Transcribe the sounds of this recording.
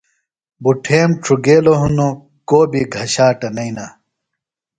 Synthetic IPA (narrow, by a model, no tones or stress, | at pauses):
buʈʰeːmʈ͡ʂʰuɡeːloɦuno | koːbiɡʱɐɕaːʈɐnɐina